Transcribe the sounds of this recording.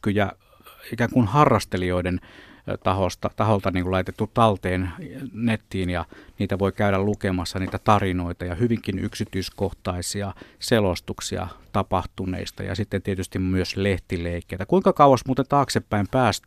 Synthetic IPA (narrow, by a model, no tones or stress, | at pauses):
kːyjæ | ikæːŋkunhɑrːɑst̪elioident̪ɑhost̪ɑt̪ɑholt̪ɑniːŋkulɑit̪et̪ːut̪ɑlt̪eːnnet̪ːiːnjɑniːt̪æʋoikæyɾællukemɑsːɑniːt̪æt̪ɑrinoit̪ɑjɑhyʋiŋkiny̰ksit̪yːskoht̪ɑisiɑselost̪uksiɑ̰t̪ɑpɑht̪unḛist̪ɑ̰jɑ̰sit̪ːent̪iet̪yst̪immyøsleht̪ileikːeit̪ækuiŋkɑkɑuwɑsmuːt̪ent̪ɑːksepːæimpæːst̪